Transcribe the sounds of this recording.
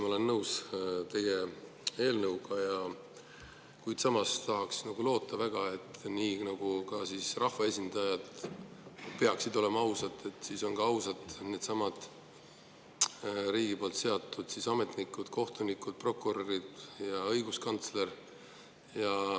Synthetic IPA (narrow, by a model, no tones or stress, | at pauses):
mole̞nːɤwst̪e̞je | e̞ːlnɤwɡ̥ɑjɑ | kujd̪̥sɑmɑst̪ɑɦɑksnɑɡ̥ulo̞ːt̪ːˑɑvæɡ̥ɑe̞t̪ːniːnɑɡ̥ukɑsisrɑhvɑe̞sʲind̪̥ɑjɑd̪̥ | pe̞ɑksid̪o̞le̞mɑɑwsɑt̪ːˑe̞t̪ːˑsiso̞nɡ̥ɑɑwsɑd̪ne̞d̪sɑmɑd̪̥ | ɾiːɡ̥ipo̞ːlt̪seɑt̪ːˑud̪̥sisɑme̞t̪ˑnikːˑud̪̥kʰo̞ht̪unikːˑud̪̥̚pro̞kːuɾoɾid̪̥jɑɤjɡuskɑnt̪sle̞r | jɑ